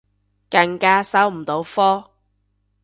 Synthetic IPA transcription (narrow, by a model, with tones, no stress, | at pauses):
kɐ˧ŋkaː˥sɐ˨˥wm̩˨˩t̪o˨˥wfɔː˥